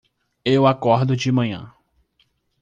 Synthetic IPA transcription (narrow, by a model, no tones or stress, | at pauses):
ewakɔɾd̪ʊd͡ʒɪmɐ̃ɲɐ̰̃